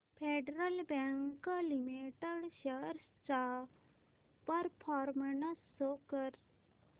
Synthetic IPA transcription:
pʰeɖɾəlbɛŋklimiʈəɽɕəɾst͡sa | pəɾpʰɔːɾmnəsːokəɾ

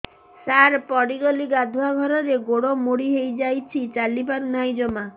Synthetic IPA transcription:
saɾpɔɽiɡɔliɡad̪ʱuaɡʱɔɾɔɾeɡoɽomoɽiɦejd͡ʒajt͡ʃʰit͡ʃalibaɾnajd͡ʒɔma

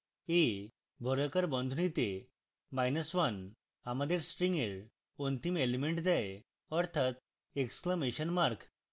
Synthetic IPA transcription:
e | bʱɔɾəkəɾbɔ̃nd̪ʱunit̪e | majnəsʋan | amad̪eɾsʈɾiŋɡeɾ | ɔnt̪imelimeɳʈd̪aj | ɔɾt̪ʰat̪ | ekskləmeɕənmaɾk

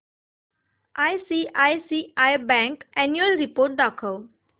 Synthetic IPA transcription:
ajsiʔajsiːajbɛ̃ŋkɛnjuəlɾipoːɾʈ̚d̪akʰəʋ

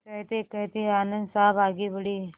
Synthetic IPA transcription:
kəjt̪ekəjt̪ianənd̪sabʱaɡibəɽi

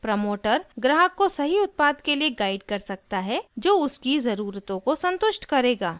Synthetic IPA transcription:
pɾɐmoːʈəɾɡɾaːɦəkːosɐɦiʊt̪̚paːd̪kelieɡaːɪɖkɐɾsɐk̚t̪aɦɛd͡ʒoːʊskizɐɾuːɾt̪õkosɐ̃nt̪ʊʃʈkɐɾeːɡaː

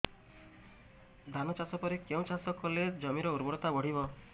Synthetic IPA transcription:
d̪ʱanɔt͡ʃasɔpɔɾikeũt͡ʃasɔkɔled͡ʒɔmiɾɔuɾbɔɽɔt̪abɔɽ̤ibɔ

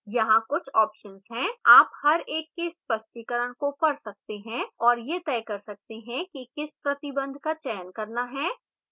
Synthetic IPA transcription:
jɐɦãkʊt͡ʃʰɔːpʃənzɦɛ̃ːaːphɐɾeːkːespɐʃʈikəɾəɽ̃kopɐɾsɐk̚t̪eɦɛ̃ɔːɾjet̪ɛːkɐɾsɐk̚t̪eɦɛ̃kikɪspɾɐt̪ɪbə̃nd̪ʱkat͡ʃɛːənkɐɾnaɦɛː

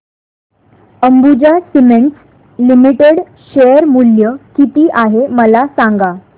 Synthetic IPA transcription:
əmbud͡ʑasimeɳʈs | limiʈeɽ | ɕejəɾmuljəkit̪iːʔaɦeməlasaŋɡa

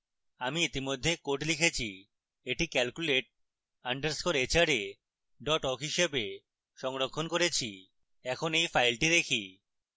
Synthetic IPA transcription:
amiit̪imod̪ʱːekoʈlikʰet͡ɕʰi | eʈikɛlkuleʈ̚ | aɳɖeɾskʰoɾet͡ɕaɾe | ɖɔʈɔkɦiʃebe | ʃɔŋɾokʰːonkoɾet͡ɕʰi | ɛkʰonejfʰajlʈiɾekʰi

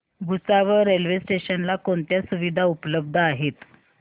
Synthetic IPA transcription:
bʱusaʋəɾelʋesʈeɕənlakoɳt̪jasuʋid̪ʱaupləb̚d̪ʱəaɦet̪

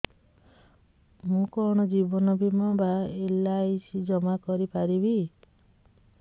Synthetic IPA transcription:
mũkɔɾɽ̃ɔd͡ʒibɔnɔbʱimɔbaelajsid͡ʒɔmakɔɾipaɾibi

